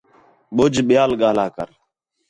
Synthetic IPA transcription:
ɓʊd͡ʒɓɪjaːlɠaːlaːkə̰ɾ

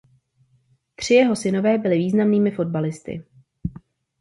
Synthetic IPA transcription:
t̪r̝̥ɪjɛɦo̞sɪno̞vɛːbɪlɪviːznamniːmɪfo̞d̚balɪst̪ɪ̰

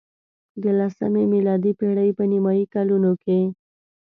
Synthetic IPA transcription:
ɡ̪əlasə̰memɪlɑd̪ipeɽəjpənimɑikalunoke

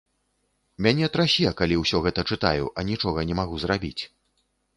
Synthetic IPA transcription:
mʲanʲɛt̪ɾasʲiɛkalʲiwsʲɔɣɛt̪ɐt͡ʂɨt̪a̰jṵʔɐnʲit͡ʂɔɣɐnʲɛmaɣuzrabʲit͡sʲ

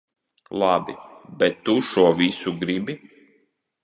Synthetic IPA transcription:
lˠabʲḭbɛt̪ːuʃuɔvʲisuɡɾibʲi

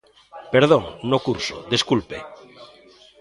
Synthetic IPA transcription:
peɾð̞oŋnokuɾso̰d̪eskulpḛ

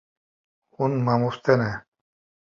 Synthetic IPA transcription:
unmamust̪ene

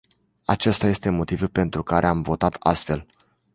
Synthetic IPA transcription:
at͡ʃest̪aje̞st̪e̞mo̞t̪ivulpe̞nt̪ɾukaɾʔeamvo̞t̪at̪ʰa̰st̪fe̞l

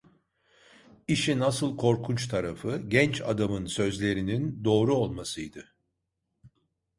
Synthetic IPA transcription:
iʃinasɯlˠkʰo̞ɾkʰunt͡ʃt̪ʰaɾafɯɟɛnt͡ʃa̰d̪amɯnsø̞zlʲe̞ɾinind̪o̞ːɾuo̞lˠmasɯjd̪ɯ

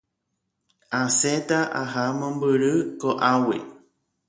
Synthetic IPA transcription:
ãset̪aʔaɦamõmbɨɾɨkoʔawḭ

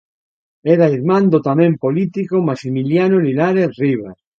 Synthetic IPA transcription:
ɛɾaiɾmãnd̪ot̪amẽmpolit̪ikomasimiljanolinaɾeθriβaɾ

